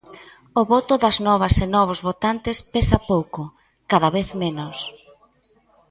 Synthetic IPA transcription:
ʊβɔt̪ʊðɐznɔβ̞ɐsenɔβ̞ozβot̪ant̪ɪspesɐpowkʊ | kaðɐβeθmenʊs

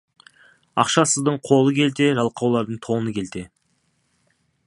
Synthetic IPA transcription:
ɑ̰qʃɑsəzd̪əɴqʰo̞lˠəkʲʰe̞lt̪e̞ʒɑlˠqʰɑwlˠɑɾd̪əɴt̪ʰo̞nəkʲʰe̞lt̪e̞

